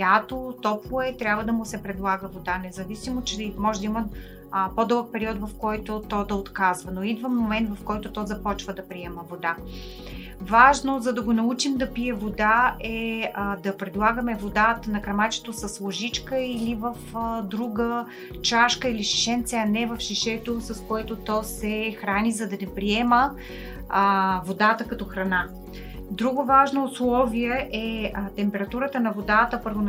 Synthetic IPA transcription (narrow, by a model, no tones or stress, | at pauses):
jat̪ot̪ɔplˠoɛt̪ɾʲabvəd̪ɐmʊsɛpɾɛd̪lˠaɡəvod̪anɛzɐvisimot͡ʃɛmɔʒɛd̪əimə | pod̪ɤlˠək̚pɛɾiɔt̪vɐfkɔjt̪ʊt̪ɔd̪ɐot̪kazvɐnoid̪vəmːomɛnt̪vɐfkɔjt̪ʊt̪ɔzɐpɔt͡ʃvəd̪ɐpɾiɛməvod̪a | vaʒnozɐd̪ɐɡonɐut͡ʃimd̪ɐpiɛvod̪aʔɛd̪ɐpɾɛd̪lˠaɡəmɛvod̪at̪ənɐkɾɐmat͡ʃɛ̥t̪osɐslˠoʒit͡ʃkəilivəfd̪ɾuɡə | t͡ʃaʃkəiliʃi̥ʃɛnt̪sɛɐnɛvɐfʃiʃɛt̪osɐskoɛt̪ot̪ɔsɛxɾanizɐd̪ɐnɛpɾiɛmə | vod̪at̪əkɐt̪ɔxɾɐna | d̪ɾuɡʊvaʒnoːslˠɔviɛʔɛt̪ɛmpɛɾɐt̪uɾət̪ənɐvod̪at̪əpɤɾvon